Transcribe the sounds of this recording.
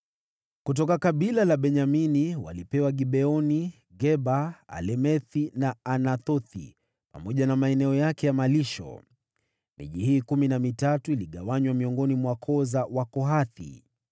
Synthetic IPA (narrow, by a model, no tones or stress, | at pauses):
kut̬ɔkakaɓilalaɓɛɲaminiwa̰lipɛwaɠiɓɛɔni | ɡɛɓaa̰lɛmɛθinaanaθɔθḭ | pamɔʄanamaɛnɛɔjakɛjamaliʃɔ̰ | mḭʄihiːkuminamitatuiliɠawaɲwamiɔŋɡɔnimwakʰɔzawakɔɦaθḭ